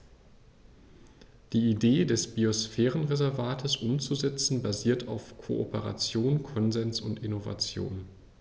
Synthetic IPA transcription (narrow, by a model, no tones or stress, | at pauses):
d̥iːideːdɛsb̥iosfɛːʁənʁezɛɐvaːtʰəsʔʊmt͡suzɛt͡sn̩baziːɐtʰaʊfkʰo̰ʔo̰pəʁa̰t͡sjoːnkʰɔnzɛnsʊntɪnova̰t͡sjo̰ːn